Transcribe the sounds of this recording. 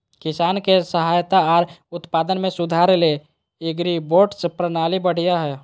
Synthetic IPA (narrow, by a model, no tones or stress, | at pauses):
kɪsaːnkesəɦaːjt̪aɔːɾʊt̪paːd̪ənmẽsʊd̪ʱaɾele | ɪɡɾiboːʈspɾənaːlibəɽ̤ijaɦɛ